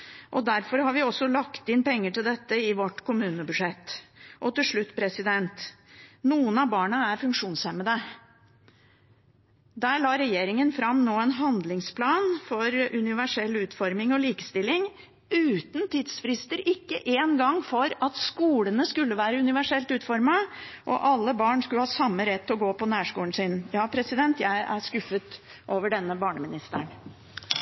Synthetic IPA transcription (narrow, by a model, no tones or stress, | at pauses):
ʔɔd̪æɾfɔɾhɑɾʋɪɔsːɔlɑkt̪ɪnpɛŋːəʈɪld̪ɛt̪ːəɪʋɔʈːkʰʊmʉːnəbʉʂɛt̪ːʔɔt̪ɪlʂɭʉt̪ːpʰɾɛsɪd̪ɛnt̪nuːənɑbɑːɳəæɾfʉŋkʂuːnshɛməd̪ə | d̪æːɭɑːɾɛjeːɾɪŋənfɾɑmnoːɛnɦɑnd̪lɪŋspʰlɑːnfɔɾʔʉnɪʋæʂɛlːʉːt̪fɔɾmɪŋɔliːkə̥st̪ɪlːɪŋ | ʉːt̪n̩t̪ʰiːd̪sfɾɪst̪əɾɪkːə̰ʔeːnɡɑŋfɔɾɑt̪skuːlənəskʉlːəʋæːɾəʉnɪʋæʂɛlt̪ʉːt̪fɔɾmɑʔɔ̰ʔɑlːəbɑːɳskʉlhɑːsɑmːəɾɛt̪ːɔɡoːpɔnæːʂkuːln̩sɪnjɑːpʰɾɛsɪd̪ɛnt̪jæɪʔæskʉfət̪ | ʔoːʋəɖɛnːəbɑːɳəmɪnɪst̪əɳ